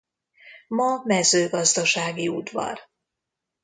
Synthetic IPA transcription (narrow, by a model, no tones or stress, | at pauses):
mɒmɛzøːɡɒzd̪ɒʃaːɡiud̪vɒ̰r